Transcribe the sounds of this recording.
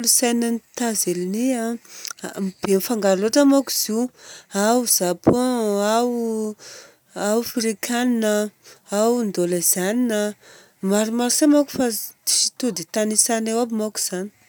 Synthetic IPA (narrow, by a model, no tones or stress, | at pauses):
lusajnanit̪azelinia | mib̥enfaŋɡaɾloʈ͡ʂəmaku̥z̥iawz̥apoaw | awfiɾikʰaninəawnd̪olaz̥aninə | maɾimaɾsamaku̥fat̪i̥si̥t̪ud̪it̪anisanewabimaku̥z̥ani̥